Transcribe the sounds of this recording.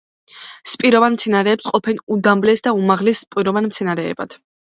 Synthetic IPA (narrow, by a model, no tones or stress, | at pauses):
spʼiɾɔvanmt̪sʰɛnaɾɛːpsqʼɔpʰɛnud̪amblɛsd̪aumaʁlɛsːpʼwiɾɔvanmt̪sʰɛnaɾɛ̰ːbad̪̥